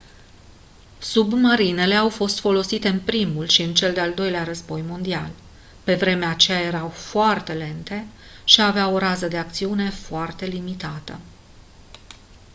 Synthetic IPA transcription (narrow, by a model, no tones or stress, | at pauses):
submaɾine̞le̞awfo̞st̪fo̞lo̞sit̪e̞ɨnpɾimulʃiɨnt͡ʃe̞ld̪e̞ald̪o̞jleaɾəzbo̞jmo̞nd̪ial | pe̞vɾe̞meat͡ʃe̞jaje̞ɾawfoart̪e̞le̞nt̪e̞ | ʃiaveao̞ɾazəd̪e̞ak̚t̪siune̞foart̪e̞limit̪at̪ə̰